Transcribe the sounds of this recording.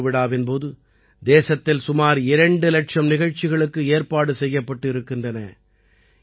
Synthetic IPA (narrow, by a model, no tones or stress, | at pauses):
ʋɪɽaːʋɪnpoːðɯ | d̪eːsɐt̪ːɪlsʊmaːɾɪɾɐɳɖɯlɐʈʂɐmnɪɣɐɻt͡ʃːɪɣɐɭɯkːɯeːɾpaːɽɯsɛjːɐpːɐʈːɪɾɯkːɪndrɐnɐ